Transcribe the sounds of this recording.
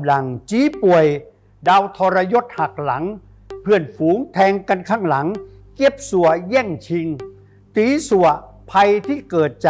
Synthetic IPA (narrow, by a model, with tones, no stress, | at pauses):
mla˨˩ŋt͡ɕiː˨˧˦pu˨˩əj | daː˧wt̪ʰɔː˧ɾa˧jo˦˥t̪̚ha˨˩k̚la˩˦ŋ | pʰɯ˧˩ənfuː˨˦ŋt̪ʰɛː˧ŋka˧nkʰaː˥˩ŋla˩˦ŋ | ke˦˥p̚su˨˩əjɛː˥˩ŋt͡ɕʰi˧ŋ | t̪iː˨˦su˨˩ə | pʰa˧jt̪ʰiː˥˩kɤː˨˩t̪̚t͡ɕaː˨